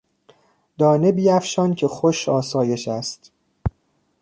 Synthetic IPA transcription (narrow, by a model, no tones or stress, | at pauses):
d̪ɒːne̞biːæfʃɒːncʰe̞xoʃɒːsɒːje̞ʃæst̪